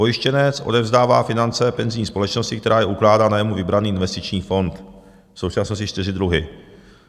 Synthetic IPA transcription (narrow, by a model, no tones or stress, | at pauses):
pojɪʃcɛnɛt͡sʔo̞̰dɛvzdaːvaːfɪnant͡sɛpɛnzɪɲiːspo̞lɛt͡ʃno̞scɪk̚t̪ɛɾaːjɛʔuklaːdaːnajɛmuvɪbɾaniːʔɪnvɛst̪ɪt͡ʃɲiːfo̞nt̪ | fso̞wt͡ʃasnoscɪt͡ʃt̪ɪrɪd̪ɾuɦɪ